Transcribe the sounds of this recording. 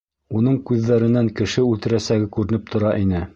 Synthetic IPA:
unɤɴkʉðːæɾɘ̆næŋkɘ̆ʃɘʉlt̪ɘ̆ɾæsæɡɘkʉɾɘ̆nɘp̚t̪ʰŏɾɑʔinɘ

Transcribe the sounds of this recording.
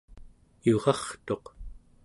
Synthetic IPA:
joʁɑχt̪o̞q

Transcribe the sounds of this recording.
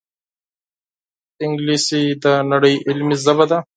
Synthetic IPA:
ɪŋɡlisid̪ənɐɽəjʔɪlmizɐbad̪a

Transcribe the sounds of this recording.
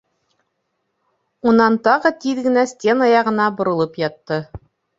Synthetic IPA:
unɑnt̪ɑʁɤt̪iðɡɘ̆næsʲtʲe̞nɑjɑʁɤ̆nɑbŏɾɤ̆lˠɤpjɑt̪ːɤ

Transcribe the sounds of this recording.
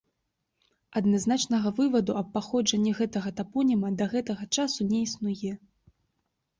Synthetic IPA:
ɐd̪naznat͡ʂnɐɣɐvɨvɐd̪uɐpːaxɔd͡ʐɐnʲːɛɣɛt̪ɐɣɐt̪apɔnʲimɐd̪ɐɣɛt̪ɐɣɐt͡ʂasunʲɛisnujɛ

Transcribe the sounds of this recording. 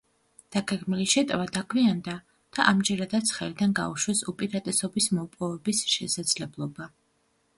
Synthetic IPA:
d̪̥aɡɛɡmiliʃɛt̪ʼvad̪akʰwiand̪a | d̪̥aʔamd͡ʒɛɾad̪at̪sʰχɛlid̪anɡa̰uʃwɛsupʼiɾat̪ʼɛsɔbismɔpʼɔvɛbisʃɛsad̪z̥lɛblˠɔba

